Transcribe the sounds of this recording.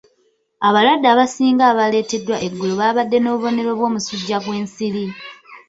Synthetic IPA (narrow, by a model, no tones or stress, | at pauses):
aβalwadːaːβasiːŋɡaːβale̞ːte̞dwaʔe̞ɡːuloβaːβadːe̞no̞ːβuβo̞ne̞ɾo̞βwo̞ːmusuɟːaɡwe̞ːnsili